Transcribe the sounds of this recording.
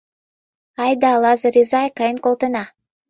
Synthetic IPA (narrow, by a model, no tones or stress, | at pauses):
ɑjd̪ɑːlˠɑzɾʲizajkajənkolˠt̪ɤnɑ